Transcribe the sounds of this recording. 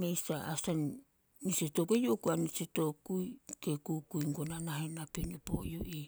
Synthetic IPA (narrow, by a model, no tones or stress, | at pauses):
mejstaʔasan | nisetokejokuaniseto̞kujkekukuiŋɡonanaɦenapenopo̰joʔi